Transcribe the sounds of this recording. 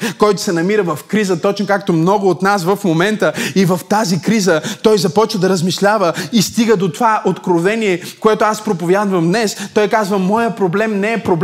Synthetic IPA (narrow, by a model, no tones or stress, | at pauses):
kɔjt̪ʊ̥sɛnɐmiɾəvɐfkɾizət̪ɔt͡ʃnokakt̪omnɔɡʊːt̪nasvɐfmomɛnt̪əivɐft̪azikɾizət̪ɔjzɐpɔt͡ʃvəd̪ɐɾəzmiʃlʲavəist̪iɡəd̪ot̪ovaʔot̪kɾovɛniɛ | koɛt̪ʊaspɾopovʲjad̪vəmd̪nɛst̪ɔjkazvəmɔjəpɾoblɛmnɛːpɾob